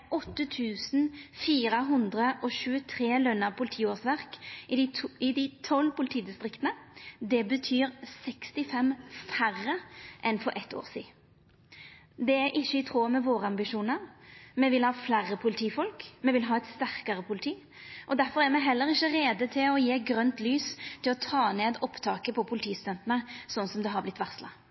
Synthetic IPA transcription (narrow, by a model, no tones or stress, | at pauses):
ʔɔt̪ːət̪ʰʉːsn̩fiːɾəɦʊnd̪ʁəʔɔʃʉːət̪ʰɾeːlœnːəʁpʰʊlɪt̪ʰiːoːʁsʋæʁkɪɪd̪ɪt̪ʰɔlːpʊlɪt̪ʰiːd̪ɪst̪ɾɪkt̪ənəd̪ɛbət̪ʰyːɾsɛkst̪ɪfɛmfærəʔɛnfɔɾʔɛt̪ːo̰ːʁsḭː | d̪ɛæɾʔɪçːəɪt̪ʰʁoːmɛʋoːɾəɑmbɪʃuːnəɾmɛʋɪlhɑːflæːɾːəpʰʊlɪt̪ʰiːfɔlkmɛʋɪlɦɑːɛɪt̪st̪æʁkɑʁəpʰʊlɪt̪ʰiː | ʔɔd̪æɾfɔʁæʁmɛɦɛlːəɾɪçːəɾeːd̪ət̪ʰɪlɔjeːɡɾœnt̪lyːst̪ʰɪlɔt̪ʰɑːneːd̪ɔpt̪ʰɑːkəpʰɔpʰʊlɪt̪ʰiːst̪œnt̪ənəsɔnːsɔmd̪ɛɦɑɾblɪt̪ːʋæʁslɑ